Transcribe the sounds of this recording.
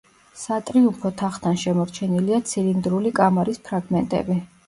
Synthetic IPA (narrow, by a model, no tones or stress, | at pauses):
sat̪ʼɾiumpʰɔt̪ʰaχt̪ʰanʃɛmɔɾt͡ʃʰɛniliat̪sʰilind̪ɾulikʼamaɾispʰɾaɡmɛnt̪ʼɛ̰bi